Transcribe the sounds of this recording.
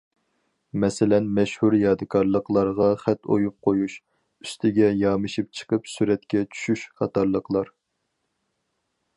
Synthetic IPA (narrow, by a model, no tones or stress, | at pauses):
mɛsɪlɛnmɛʃhuɾjɑːd̪ɨkʰɑɾlˠəqlˠɑɾʁɑχɛt̪o̰jup̚qʰojuʃ | yst̪ʰɪɡʲɛjɑmɨʃipt͡ʃʰə̥qʰəpsyɾɛt̪̚kʲɛt͡ʃʰy̥ʃyʃχɑt̪ʰɑɾlˠəqlˠɑɾ